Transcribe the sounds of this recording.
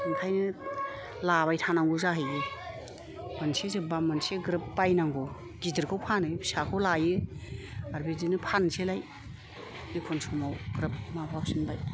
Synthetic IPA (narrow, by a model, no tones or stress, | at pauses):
ɯŋtʰajnɯ | labajtʰanaŋɡuzaɦɯjɡɯ | b̥ansezebamanseɡɾɯpːajnaŋɡo | ɡidɯɾkʰawpʰanɯsakʰɯwlajɯ | aɾbidinɯpʰanselaj | ekʰɔnsumawɡ̥ɾɯp̚mabʰap̚sinbaj